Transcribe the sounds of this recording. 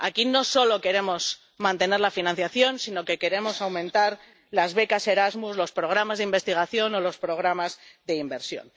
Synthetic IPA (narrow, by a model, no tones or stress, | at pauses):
a̰kino̞so̞lo̞ke̞ɾe̞mo̞s | mãnt̪e̞ne̞ɾlafinãn̟θjaθjo̞nsino̞ke̞ke̞ɾe̞mo̞sawmẽnt̪aɾ | lazβe̞kase̞ɾazmuzlo̞spɾo̞ɣ̞ɾamazðimbe̞st̪iɣ̞aθjo̞no̞lo̞spɾo̞ɣ̞ɾamazðe̞imbe̞ɾsjo̞̰n